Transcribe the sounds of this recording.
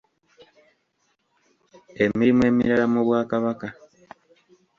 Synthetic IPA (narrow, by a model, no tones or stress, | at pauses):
e̞miɾimwe̞ːmḭɾalamuβwaːkaβaka